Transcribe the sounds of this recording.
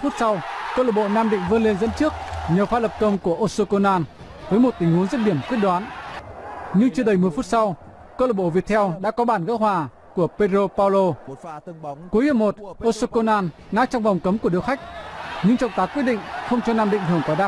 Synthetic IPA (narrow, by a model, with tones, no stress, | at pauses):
fu˦˥t̚sa˧wkəː˧ləː˨˧˩ɓo̰˧˨naː˧mɗḭ̈˧˨ŋ̟vɨ˧ənle˧nzə̰˧˥nt͡ɕɨ˦˥ək̚ɲə˨˩wfaː˧˥lə˨˩p̚kə˧wŋ͡mku˧˩əʔo˧so˧ko˧naː˧n | vəː˨˦jmo˨˩t̚t̪ï˨˦ŋ̟hu˨˦ənzə˦˥t̚ɗi˧˩əmkwi˦˥ət̚ɗwaː˨˦n | ɲɨ˧ŋt͡ɕɨ˧əɗə˨˩jmɨ˨˩əjfu˦˥t̚sa˧w | ko˧ləː˨˩ɓo̰˧˨vi˨˩ət̚t̪ʰɛ˧wɗa̰ː˧˥kɔ˨˦ɓaː˧˩nɣə̰˧˥w̚ɦwaː˨˩ | ku˧˩əpe˧dɾo˧paː˧wlo˧ | ku˨˦əjhə˧˩mo˨˩t̚ʔo˧so˧ko˧naː˧nŋa̰ː˧˦˥t͡ɕɔ˧wŋ͡mvɔ˨˩wŋ͡mkə˨˦mku˧˩əɗɨ˧˥wxa˦˥jk̟̚ɲɨ˧ŋt͡ɕɔ̰˧˨wŋ͡mt̪aː˨˦kwi˦˥t̚ɗḭ˧˨ŋ̟xə˧wŋ͡mt͡ɕɔ˧naː˧mɗï˧˨ŋ̟ɨ˧˩əŋkɔ˨˦ɗaː˦˥